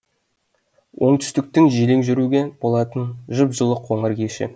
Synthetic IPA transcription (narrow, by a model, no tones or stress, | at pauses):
wʔo̞ɴt̪ʰʏ̥st̪ɪk̚t̪ɪŋʒileŋʒʏɾuɡʲeb̥o̞lˠɑt̪ənʒəpʒəlˠəqʰwo̞ɴəɾkʲeʃɪ̰